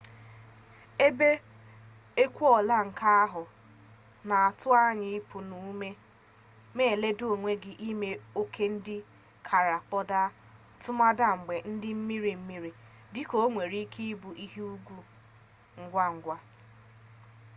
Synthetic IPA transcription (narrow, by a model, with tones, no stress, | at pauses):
e˦be˦ | e˦kʷu˦ɔ˨la˦ŋ̩˨ka˦a˦ɦʊ˨ | na˨a˨tʊ˦a˦ɲɪ˨ɪ˦pʰʊ˨nu˨˦me˦ | me˦˨le˦do˨o˨ŋʷe˦ɡɪ˨ʔi˦me˦o˦kʰe˦n̩˦dɪ˦ | kʰa˨ɾa˨k͡pɔ˦da˦ | tʊ˦ma˦da˦ŋ͡m̩˨ɡ͡be˨n̩˦dɪ˦m̩˦mi˦ɾi˨m̩˦mi˦ɾi˨ | dɪ˦ko˨o˦ŋʷe˨ɾi˦kʰi˦bu˨ʔi˦ɦi˦u˦ɡʷu˦ | ŋ̩˦ɡʷa˦ŋ̩˨ɡʷa˦